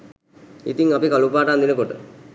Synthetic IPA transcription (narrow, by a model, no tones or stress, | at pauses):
ḭt̪iŋapikalupaːʈand̪inəkoʈə̰